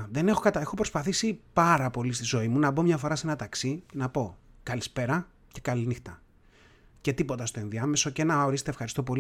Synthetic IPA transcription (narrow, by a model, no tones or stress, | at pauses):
ðe̞ne̞xo̞kɐt̪ɐexo̞pɾo̞spɐθisipɐɾɐpo̞list̪izo̞imunɐbo̞mɲɐfo̞ɾɐsenɐt̪ɐksicenɐpo̞kɐlispe̞ɾɐ | ce̞kɐlinixt̪ɐ | ce̞t̪ipo̞t̪ɐst̪o̞inðiɐmeso̞cenɐoɾist̪efxɐɾist̪o̞p̬o̞l